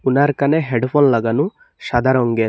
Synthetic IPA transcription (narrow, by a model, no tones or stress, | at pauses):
unaːɾkɐneːɦeɖpʰoːnlɐɡɐnu | ʃɐd̪ɐɾoŋɡeː